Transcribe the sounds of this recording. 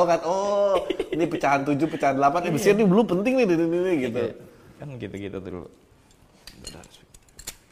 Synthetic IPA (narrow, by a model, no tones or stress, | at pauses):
ukanɔ | nipət͡ʃaɦant̪ud͡ʒʊpət͡ʃaɦandəlapanabəsɪrnibəlʊpənt̪ɪŋnɪhdinininɪɡit̪u | kankit̪akit̪a̰t̪əɾṵ | da̰sit